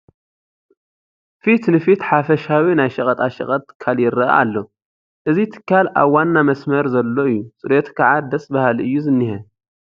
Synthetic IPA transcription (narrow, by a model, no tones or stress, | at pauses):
fit̪nɨfit̪ħafɐʃawinajʃɐkʼɐt̪ʼaʃɐ̰kʼɐt̪ʰːɨ̥kʰːaljɪɾːɐʔa̰a̰lːo̞ | ʔɨzit̪ʰɨ̥kʰːalʔa̰βwanːamɐsmɐɾzɐlːo̞ɨjːusʼɨɾet̪kʰaʕad̪ɐsʼbɐhalʔɨjːuzɨnːihɐ